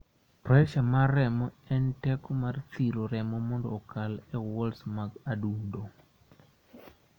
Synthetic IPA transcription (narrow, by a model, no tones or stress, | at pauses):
pɾɔɛʃamarɛmɔɛntɛkɔmart̪iɾoɾɛmɔmɔndɔ̰ːkalɛwɔlsmaɡadundo